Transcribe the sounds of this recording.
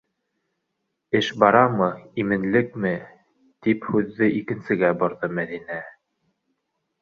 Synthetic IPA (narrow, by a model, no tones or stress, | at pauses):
ɘʃbɑɾɑmɤimɘ̆nlɘkmɘ | t̪iphʉðːɘʔikɘ̆nsɘ̆ɡæbŏɾðɤmæðinæ